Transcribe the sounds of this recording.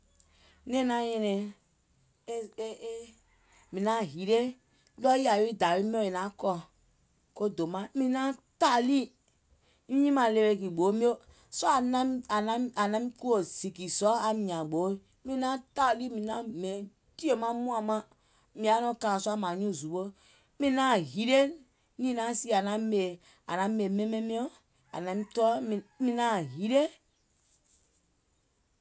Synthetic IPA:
nẽ˦nã˦jɛ̃˧nɛ̃˨˦ | mĩ˨nã˦ɦi˨ɾe˦ | lɔ˦i˦a˨˦i˦˨da˨wi˦mi˦o˦e˨nã˦kɔ˧ | ko˦do˨mã˦mĩ˨nã˦ta˦˨li˦ | nĩ˦ɲĩ˦mã˧˨le˧we˧˨ki˨ɡ͡bo˨˦mĩ˦o˦ | sɔ˦a˨na˦a˨nã˦a˨nã˦mi˦ku˦o˨si˨ki˨sɔ˦a˨mĩ˨ã˨ɡ͡bo˨˦mi˦na˦ta˦˨li˦mi˨na˦me˨˦ | ti˦e˨ma˦mu˦a˦ma˦ | mi˨a˨˦no˦ka˨sɔ˦a˦ma˨ɲũ˦˨zu˨bo˦ | mi˦na˦˨hi˨˦ɾe˦ | ni˦˨na˦si˦a˨na˦me˨ | a̰˨na˨˦e˨me˦me˦mi˦o˦ | a̰˨na˨mi˦tɔ˦˨˦mi˦na˦˨ɦi˦ɾe˦

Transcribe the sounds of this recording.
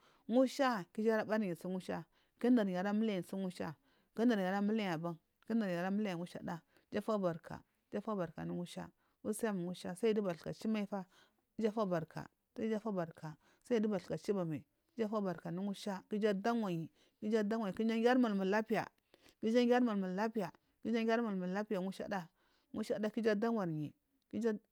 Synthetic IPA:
ŋu˦ʃa˦ki˦d͡ʒa˦ɾa˦ba˦ɾi˨si˦ŋu˦ʃa˦ | ki˦nda˨ɾja˨ɾa˦mi˦la˦ji˨si˦ŋu˦ʃa̰˦ | ki˦nda˨ɾja˨ɾa˦mu˦la˦ja˨ba˦ŋ | ki˦n˦da˨ɾja˨ɾa˦mi˦la˦ja˨ŋu˦ʃa̰˦da˦ | d͡ʒa˦fa˦ba˨ɾkʰa̰˨˦d͡ʒa˦fa˦ba˨ɾka̰˨nu˦ŋu˦ʃa̰˦ | wu˦sja˦m˨ŋu˦ʃa˦sa˦i˦di˦ba˨ɬka˨t͡ʃi˦ma˦i˦fa˦ | d͡ʒa˦fa˦ba˨ɾkʰa̰˨ | sa˦i˦d͡ʒa˦fa˦ba˨ɾkʰa˨ | sa˦i˦di˦ba˨ɬka˨t͡ʃi˦ba˨ma˨˦d͡ʒa˦fa˦ba˨ɾka˨nu˦ŋu˦ʃa˦ki˦d͡ʒa˦da˦ŋwa˨ɲi˨ | ki˦d͡ʒa˦da˦ŋ˦wa˨i˨ki˦d͡ʒa˦ŋɡʲa˦ɾma˨lmu˨la˦pi˦ja̰˨ | ki˦d͡ʒa˦ŋɡʲa˦ɾma˨lmu˨la˦pi˦ja˨ | ki˦d͡ʒa˦ŋʲ˦a˦ɾma˨lmu˨la˦pi˦ja˨ŋu˦ʃa̰˦da˦ | ŋu˦ʃa˦da˦ki˦d͡ʒa˦da˦ŋwa˨ɾɲi˨ | ki˦d͡ʒa˦

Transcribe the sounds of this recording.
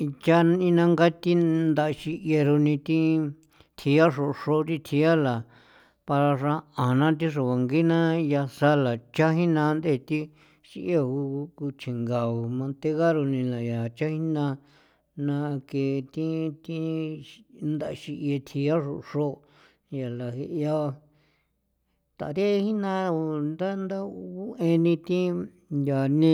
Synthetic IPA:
i˧t͡ʃa˦n˧ĩ˧nã˧ŋɡa˦t̪i˦nd̪a˧ʃi˧ʔje˧ɾo˧nĩ˧t̪ĩ˦ | t̪ʰi˧ja˦ʂo˧˨˧ʂo˦˧t̪ĩ˧t̪ʰi˧a˦la˨ | pa˧ɾa˧ʂã˧ã˨nã˦t̪̬i˦ʂ̬o˨βa˨ŋɡi˦nã˦ja˧sa˧la˨t͡ʃa˦ɦi˦nã˧nd̪e˦˨t̪i˦ | ʃi˧ʔje˦˧˨u˧ku˧t͡ʃʰĩ˨ŋɡa˨u˨mã˧nt̪e˧ɣa˦ɾo˧nĩ˧la˨ja˨t͡ʃa˦hi˦nã˧ | nã˧ke˧t̪ĩ˦t̪i˦ | nd̪a˧ʃi˧ʔe˧t̪ʰi˧a˦ʂu˧ʂo˦˨ | ja˨la˨he˧ʔja˧ | t̪a̰˨ɾe˦˧hi˦nã˧nd̪a˦nd̪a˦u˦ʔẽ˧nĩ˧t̪ĩ˦ | ja˨nĩ˧

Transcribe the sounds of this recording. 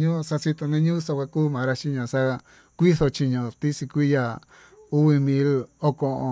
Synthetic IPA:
ɲũ˦˧sa˧t͡ʃi˧t̪o˧nẽ˧˦ɲũː˦sa˧kʷa˧kuː˦mã˨˧ɾa˧t͡ʃi˦ɲõ˧˨sa˦˧ | kʷi˦θo˧t͡ʃi˧ɲõ˧t̪i˦si˧kʷi˦ja˨ | u˦βi˧mĩ˧˦lo˦kõ˧ʔõ̰˧

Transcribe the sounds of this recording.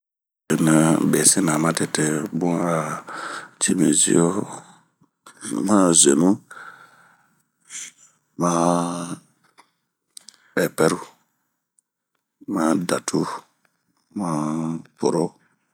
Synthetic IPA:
e˨nə˨bɛ˨si˦na˨mã˦te˨te˦bũ˦a˨ | t͡ʃe˦mḭ˨zḭ˦o˦ | mã˦ze˨nũ˦ | mã˦ | ɓɛ˨pɛ˦ɾu˦ | ma˦da˨tʰu˦ | ma˦po˨ɾo˦

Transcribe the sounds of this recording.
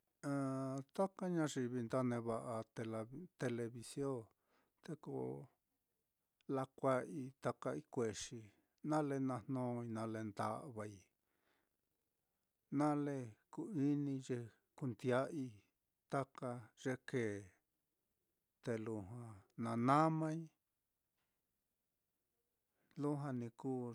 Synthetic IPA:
ã˧t̪a˦ka˦ɲã˦ʐi˧βi˧nd̪a˦nẽ˧βa˧ʔa˧t̪e˧lt̪e˧le˧βi˧sjõ˦ | t̪e˧ko̰˧ | la˧kʷa˦ʔi˧t̪a˧ka˧i˦kʷe˨ʂi˧ | nã˦le˧nã˧n̥nõː˦i˧nã˧le˧nd̪a̰˧ʔβa˧i˧ | nã˦le˦˧ku˧i˦nĩ˧ʐe˧ | ku˧nd̪ja˦i˧ | t̪a˦ka˧ʐ̥e˧keː˨ | t̪e˧lu˧ɦã˧nã˧nã˦mã˦i˦ | lu˦ɦã˧nĩ˧kuː˦

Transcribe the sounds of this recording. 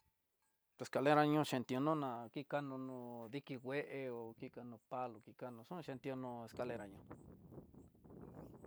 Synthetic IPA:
t̪e˨ska˨˧le˦ɾa˧ɲũ˧ʃe˧nt̪i˧o˧nũ˦nã˨˧ki˦ka˦nũ˧nũ˧ði˧ki˧wʷe˦ʔe˧o˨ki˦˧ka˧nũ˧pa˧lu˧ki˧ka˧nũ˧ʂũ˦˧ʃe˧nt̪jo˧nũ˧e˧ska˧le˧ɾa˧ɲõ˧

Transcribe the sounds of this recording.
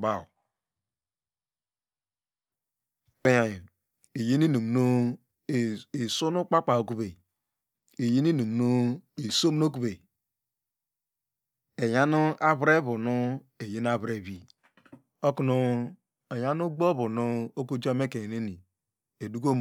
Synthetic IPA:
ba˨ | k͡pe˦ja˨ji˨ | e˨je˦ni˦nu˨m˨no˦˨ | e˨so˦nu˦k͡pa˦k͡pa˨o˨ku˦be˨ | e˨je˦ni˦nu˨m˨no˦e˨so˦m˦o˦k̬u˦be˨ | e˨ja˦nu˦ʔa˦βɾe˦βu˨nu˦ | e˨je˦n˦a˦βɾe˨bi˦ | o˦ku˦nu˦ | e˨ja˦nu˦ɡ͡bo˦bu˨nu˦o˦ku˦d͡ʒo˦me˦ke˨ne˦ni˨ | e˨du˦ɡo˦m

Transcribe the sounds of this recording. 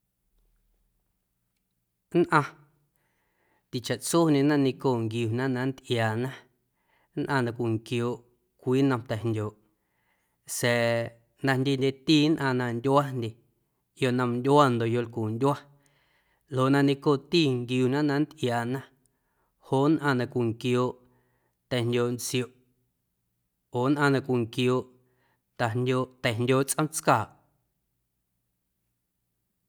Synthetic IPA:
nʔã˧ | t̪i˨t͡ʃa˨ʔt͡so˦nẽ˧nã˦nĩ˧koː˦˨ŋɡjuː˨nã˦nã˧n˦t̪ʔjaː˨nã˦ | nʔã˧nã˧kʷi˨ŋkjoː˨ʔ | kʷiː˦nã˧mt̪ɛ˨ndʲjoː˨ʔ | sɛ˨ | nã˧ndʲe˧ndʲe˧t̪iː˦˨nʔã˧˨nã˧ndʲwa˦ndʲe˧˨ | jo˧˨ʔnã˧mndʲwa˦˨nd̪o˨jo˧˨lkuː˨ndʲa˦ | lo˨ʔnã˧nẽ˧koː˦˧˨t̪iː˦˨ŋɡjuː˧˨nã˦nã˧n̩˦t̪ʔjaː˨ʔnã˦ | hoː˦nʔã˧˨nã˧kʷi˨ŋkjoː˧˨ʔ | t̪ɛ˨ndʲoː˧˨nt͡si˧o˨ʔ | oː˨nʔã˧nã˧kʷi˨ŋkjoː˧˨ʔ | t̪a˨ndʲoː˧t̪ɛ˨ndʲoː˧ʔt͡sʔə̃˦mt͡skaː˨ʔ

